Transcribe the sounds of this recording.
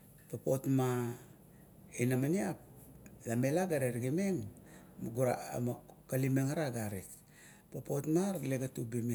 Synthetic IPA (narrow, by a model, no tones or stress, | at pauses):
papo̞tma | inamaniap̚lame̞laɡaɾeɾɡimeŋmɡuɾamkalimeŋaɾaɡaɾit | popotmaɾleɡatubime